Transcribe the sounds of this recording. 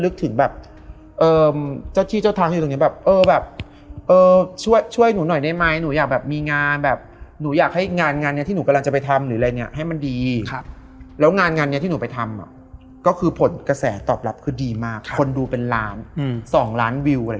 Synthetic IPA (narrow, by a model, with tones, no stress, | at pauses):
lɯ˦˥k̚t̪ʰɯ˨˩˦ŋbɛː˨˩p̚ | ʔɤː˧mt͡ɕa˥˩wt̪ʰiː˥˩t͡ɕa˥˩wt̪ʰaː˧ŋʰi˧˨t̪o˧ni˦˥˩bɛː˨˩p̚ʔɤː˧bɛː˨˩p̚ | ʔɤː˧t͡ɕʰu˥˩əjt͡ɕʰu˥˩əjnuː˩˦nɔ˨˩jna˧˥˩jma˦˧˥jnuː˩˦jaː˨˩k̚bɛː˨˩p̚miː˧ŋaː˧nbɛː˨˩p̚nuː˩˦jaː˨˩k̚ha˥˩jŋaː˧nŋaː˧nːi˥˩t̪ʰi˥˩nuː˩˦ka˧la˧ŋt͡ɕa˨˩pa˧jt̪ʰa˧mɾɯː˩˦a˧a˧ni˦˥ɐʔɦa˥˩jma˧ndiː˧ | lɛː˦˥wŋaː˧nŋaː˧ni˦˥t̪ʰiː˥˩uː˩˦pa˧jt̪ʰa˧mʔa̰˨˩ | kɔː˥˩kʰɯː˧pʰo˩˦nka˧sɛː˩˦t̪ɔ̰ː˨˩p̚la˦˥p̚kʰɯː˧diː˧maː˥˩kʰːo˧nduː˧pe˧nlaː˦˥nsɔː˨˩˦ŋlaː˦˥nwi˧wʔa˧˦